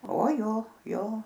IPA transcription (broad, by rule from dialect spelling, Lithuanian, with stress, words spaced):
oː ˈjoː ˈjoː